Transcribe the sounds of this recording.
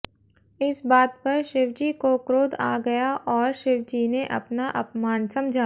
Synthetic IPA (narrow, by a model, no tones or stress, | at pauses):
ɪsbaːt̪̚pɐɾʃɪʋd͡ʒikokɾoːd̪a̰ːɡɐjaʔɔːɾʃɪʋd͡ʒiːneʔɐ̰pnaʔɐpmaːnsɐ̃md͡ʒʱa